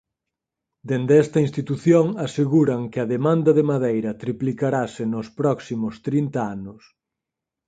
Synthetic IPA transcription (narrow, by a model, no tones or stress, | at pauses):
d̪end̪ɛst̪ɐinst̪it̪uθjoŋaseɣuɾɐŋkɪɐðemãnd̪ɐðemaðejɾɐt̪ɾiplikaɾasɪnʊspɾɔksimʊst̪ɾint̪ɐanʊs